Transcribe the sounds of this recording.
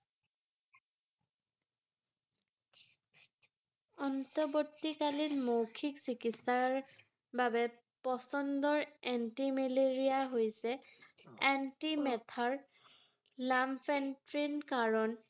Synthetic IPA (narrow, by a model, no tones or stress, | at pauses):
ɔntɔbotːikalinmowkʰiksikitsaɹaɹ | babɛ | pɔsɔndɔɹɛntimeleɹijaɦojsɛ | antimɛtʰaɹ | lampʰɛntɹinkaɹɔn